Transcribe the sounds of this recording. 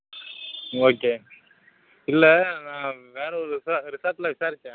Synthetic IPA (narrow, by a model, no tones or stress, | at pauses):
oːkeː | ɪlːɛnãːʋeːɾɐɔɾɯsaɾɪsaːt̪ɪlãʋɪsaːɾɪt͡ʃːɛ̃ː